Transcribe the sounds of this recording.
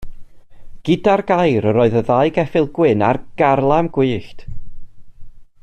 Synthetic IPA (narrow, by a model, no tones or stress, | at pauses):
ɡ̥ɪdarɡajɾəɾɔɨðəðajɡɛfɪlˠɡ̥wɪna̰rɡ̥arlˠamɡwiːɬt